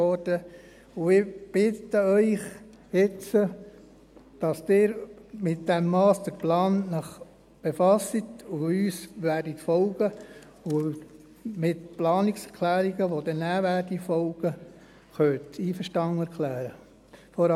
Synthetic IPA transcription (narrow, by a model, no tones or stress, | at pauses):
ɔd̥ə | ʊɪb̥ɪtəœʏχ | jɪt͡sə | d̥ɑsd̥ɪːɾmɪtd̥ɛmːɑːsd̥̪əɾplɑːnnəχ | b̥efɑsːitʊyːsʋæːɾditfɔlɡə | ʊ | mɪtplɑːniksɛɾkʰlæːɾiɡəʋod̥̪ɛnæːʋæːɾdifɔlɡ̥ə | χœːtiːfəʃtɑŋɛɾkʰlæːɾə | fɔɾ